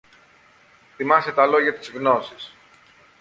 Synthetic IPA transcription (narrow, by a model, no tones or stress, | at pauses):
θimɐset̪ɐlo̞ʝɐt̪izɣno̞sis